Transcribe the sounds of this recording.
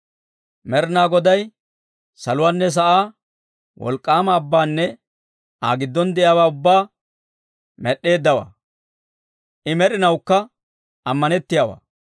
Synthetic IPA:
mɛɾɪnaːɡɔd̪ɐj | sɐlʊwaːnːɛs̬ɐʔaː | wɔ̰lkʼːaːmɐːbːaːnːɛ | ʔaːɡɪd̪ːɔnd̪ɛʔjaːwaːʊbːaː | mɛɗːe̞ːd̪ːɐwa̰ː | ʔɪmɛɾɪnɐwkːɐ | ɐmːɐnɛt̪ːɪjawa̰ː

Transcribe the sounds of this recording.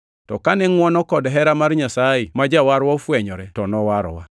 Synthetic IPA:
tɔkanɛŋwɔnɔkɔdɦɛɾamaɾɲasajimad͡ʒawaɾwɔfwɛɲɔɾɛtɔnɔwaɾɔ̰wa

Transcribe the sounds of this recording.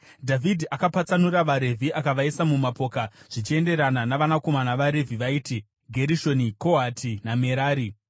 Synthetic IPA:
dʱavʱidʱiʔakapat͡sanuɾaʋaɾe̞vʱiʔakaʋaisamumapo̞ːkaʐ̥it͡ʃie̞nde̞ɾananaʋanako̞manaʋaɾe̞vʱiʋaiːti | ɡʱe̞ɾiʃo̞niko̞ɦatʰiname̞ɾaːɾi

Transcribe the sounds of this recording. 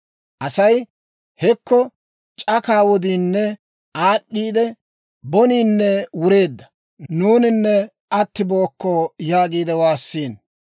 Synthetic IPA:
ʔɐsɐj | hɛkːɔ | t͡ʃʼɐkaːwɔd̪iːnːɛ | aːɗːiːd̪ɛ | bɔniːnːɛwʊɾe̞ːd̪ːɐ | nuːnɪnːɛ | ɐt̪ːɪbo̞ːkːojaːɡiːd̪ɛwaːsːiːn

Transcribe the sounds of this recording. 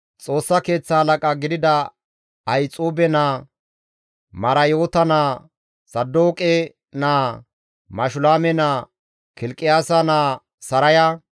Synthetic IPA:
t͡sʼo̞ːsːɐke̞ːt͡sːɐhɐlɐkʼɐɡɪd̪ɪd̪ɐ | ɐjt͡sʼuːbɛnaː | mɐɾɐjoːt̪ɐnaː | sɐd̪ːoːkʼɛ | naː | mɐʃʊlaːmɛnaː | kɪlkʼɪjaːsɐnaː | sɐɾɐjɐ

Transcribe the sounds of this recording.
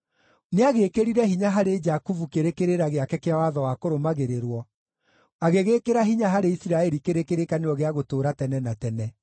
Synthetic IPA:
neaɣeːkeɾiɾɛhiɲaɦaɾed͡ʒakuvukeɾekeɾeɾaɣeakɛkeawaðɔwakoɾomaɣeɾeɾwɔ | aɣeɣekeɾaɦiɲaɦaɾeisiɾaɛɾikeɾekeɾekaneɔɣeaɣotoːɾatɛnɛnatɛnɛ

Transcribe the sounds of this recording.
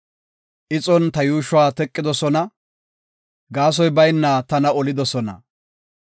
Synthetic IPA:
ʔɪt͡sʼɔnt̪ɐjuːʃʊwaːt̪ɛkʼːɪd̪ɔsɔnɐ | ɡaːs̬ɔjbɐjnːaːt̪ɐnɐɔlɪd̪ɔsɔnɐ̰

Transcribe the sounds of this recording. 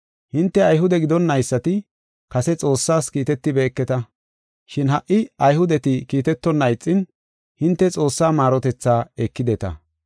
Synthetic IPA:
hɪnt̪ːɛɐjɦʊd̪ɛɡɪd̪ɔnːɐjsːɐt̪ɪ | kɐsɛt͡sʼo̞ːsːaːskiːt̪ɛt̪ːɪbɛːkːɛt̪ɐ | ʃɪnɦɐʔːɪɐjhʊd̪ɛt̪ɪkiːt̪ɛt̪ːɔnːɐjt͡sʼːɪn | hɪnt̪ːɛt͡sʼo̞ːsːaːmaːɾɔt̪ɛt͡sːaːɛkːɪd̪ɛt̪ɐ̰

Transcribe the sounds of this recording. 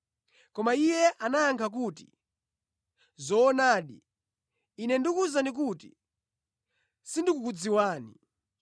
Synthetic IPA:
kɔmaijɛʔanajaŋkʰak̬uːti̥̰ | zɔːnaːɗi | inɛndikuzanik̬uti̥̰ | sindikukud͡ziwaːni

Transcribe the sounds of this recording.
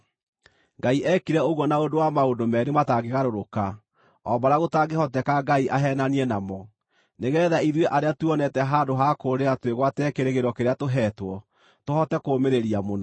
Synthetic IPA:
ŋɡaiʔɛkiɾɛoɣwɔnaondowamaondomɛɾemataɡeɣaɾoɾoka | ɔbaɾaɣotaɡehɔtɛkaɡaiʔaɦɛnaniɛnamɔ | neɣɛːðaiðweʔaɾeatuɔnɛtɛɦaːndoɦakoːɾeatweɣwatɛkeɾeɣeɾɔkeɾeatoɦɛtwɔ | tohɔtɛkoːmeɾeɾiamona

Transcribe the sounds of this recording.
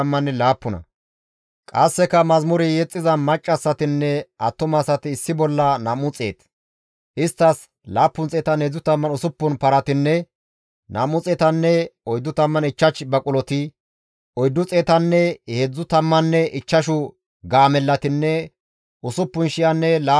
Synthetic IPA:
mːɐnːɛlaːpːʊnɐ̰ | kʼɐsːɛkɐmɐzmʊɾɪjɛt͡sʼːɪzɐmɐt͡ʃʼːɐsːɐt̪ɪnːɛʔɐt̪ːʊmɐsɐt̪ɪːsːɪbɔlːɐnamʊt͡sʼe̞̰ːt̪ | ʔɪst̪ːɐs | laːpːʊnt͡sʼeːt̪ɐnheːd͡zːʊt̪ɐmːɐnʊsʊpːʊnpɐɾɐt̪ɪnːɛ | nʔɐ̰mʊt͡sʼeːt̪ɐnːɛɔjd̪ːʊt̪ɐmːɐnɪt͡ʃːɐt͡ʃbɐkʼʊlɔt̪ɪ | ɔjd̪ːʊt͡sʼeːt̪ɐnːɛheːd͡zːʊt̪ɐmːɐnːɛʔɪt͡ʃːɐʃʊ | ɡaːmɛlːɐt̪ɪnːɛ | ʔʊsʊpːʊnʃɪjɐnːɛlaː

